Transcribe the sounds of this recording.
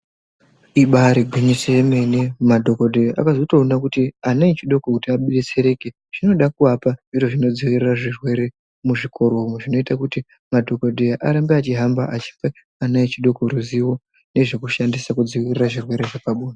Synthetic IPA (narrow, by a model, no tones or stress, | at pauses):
iɓaɾiɡʱwiɲiseme̞nemadʱo̞ko̞dʱejʔa̰kazo̞to̞ːnakutianait͡ʃiɗo̞kokutiaɓeɗet͡se̞ɾe̞ke | ʐ̥ino̞ɗakuapaʐiroʐino̞d͡ziwiriraʐirwe̞ɾe̞ | muʐikʰo̞ɾoɦumeʐino̞itakuti | madʱo̞ko̞dʱeʔaɾambeat͡ʃiɦambaʔat͡ʃi̥fe | anait͡ʃiɗo̞koɾuziwo̞ | ne̞ʐe̞kuʃandisakud͡ziwiriraʐirwe̞ɾe̞ʐepaɓuːna